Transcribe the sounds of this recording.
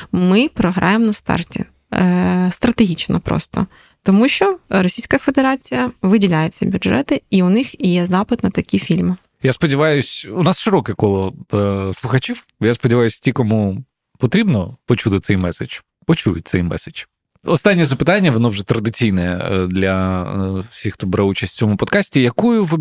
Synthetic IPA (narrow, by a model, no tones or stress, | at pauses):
mɪpɾɔɦɾɑ̰jemnɐst̪ɑ̰rtʲḭ | st̪ɾɐt̪eɦʲit͡ʃnɔ̰pɾʔɔ̰st̪ɔ̰ | t̪ɔmuʃt͡ʃɔɾɔsʲijsʲkɐfed̪eɾɑt͡sʲijɐʋɪdʲilʲajet͡sʲːɐbʲʊdʒɛt̪ɪiʊnɪxijɛzɑpɪt̪nɐt̪ɐkʲifʲilʲmɪ | jaspɔdʲɪʋɑjʊsʲʊnɑsʃɪɾɔkɛkɔlˠɔslˠʊxɐt͡ʃʲiw | jaspɔdʲɪʋajʊsʲtʲikɔmu | pɔt̪ɾʲibnɔpɔt͡ʃut̪ɪt̪sɛjmɛsɪt͡ʃ | pɔt͡ʃujʊ̰t̚ʲtsɛ̰jmɛ̰se̥t͡ʃ | ɔst̪ɑnʲːɛzɐpɪt̪anʲːɐʋɔnɔwʐɛt̪ɾɐd̪ɪt͡sʲijnɛd̪lʲɐ | wsʲixt̪ɔbɾɛut͡ʃɐsʲt̪ʲt͡sʲɔmʊpɔd̪kasʲtʲijɐkujʊʋɪ